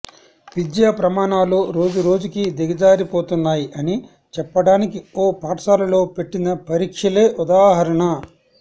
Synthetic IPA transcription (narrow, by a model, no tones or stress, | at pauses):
ʋid̪jaːpɾɐmaːɳaːloːɾo̞ːd͡ʒuɾo̞ːd͡ʒukid̪ɛɡɐd͡ʒaːɾipoːt̪unːaːjiʔɐni | t͡ʃɛpːɐɽaːnikioːpaːɾsaːlɐlo̞ːpe̞ʈːinɐpɐɾiːkʂɐle̞ːʔud̪aːɦɐɾɐɳɐ